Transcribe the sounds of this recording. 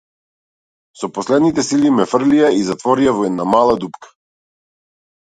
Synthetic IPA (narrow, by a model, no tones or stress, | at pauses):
sɔpɔslɛd̪nit̪ɛsilimɛfr̩liaizat̪vɔɾiavɔɛd̪namalˠad̪upkḁ